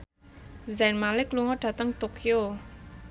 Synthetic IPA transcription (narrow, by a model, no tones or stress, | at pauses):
zɛnmalɪkluŋɔɖ̥ä̤t̪əŋt̪okʰio